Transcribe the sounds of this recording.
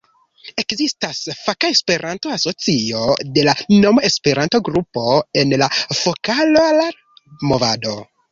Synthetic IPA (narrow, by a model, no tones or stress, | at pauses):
e̞kzistasfakaespe̞ɾʔanto̞aso̞t͡sio̞de̞lanomoespe̞ɾanto̞ɡɾupo̞e̞nlafo̞kalola | movado̞